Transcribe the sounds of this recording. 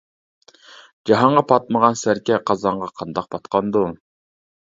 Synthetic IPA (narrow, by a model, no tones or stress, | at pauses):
d͡ʒɑɦɑɴʁɑpʰɑt̪̚məʁɑnsæɾkʲɛqʰɑzɑɴʁɑqʰɑnd̪ɑq̚pʰɑt̪qɑnd̪u